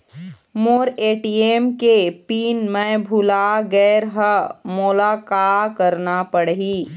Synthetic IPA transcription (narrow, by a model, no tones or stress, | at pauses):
moːɾeːʈiːeːmkepiːnmɛ̃bʱʊlaɡɛːɾɦəmʊlaːkaːkəɾnapəɽɦiː